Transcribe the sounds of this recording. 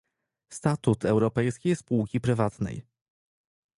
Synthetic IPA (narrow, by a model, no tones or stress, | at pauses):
st̪at̪ut̪ɛwɾɔpɛjskʲejspuwkʲipɾɘvat̪nɛ̰j